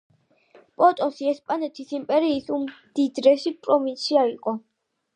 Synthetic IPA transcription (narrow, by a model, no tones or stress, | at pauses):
pʼɔt̪ʼɔsiɛspʼanɛt̪ʰisimpʼɛɾiːsumd̪̥id̪ɾɛʃipʼɾɔvinsiaiqʼɔ